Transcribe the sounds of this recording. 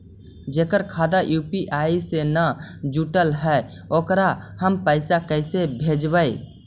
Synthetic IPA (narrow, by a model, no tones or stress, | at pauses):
d͡ʒeːkəɾkʰaːd̪ajuːpiʔaisenəd͡ʒuʈəlɦɛ | oːkɾahəmpəɪsakəɪsebʱed͡ʒbəe